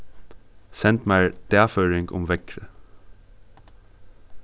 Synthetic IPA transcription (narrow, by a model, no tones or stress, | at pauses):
sɛnt̪mæɪɹd̪̥æːføːɹɪŋɡʊ̰mʋɛkɹə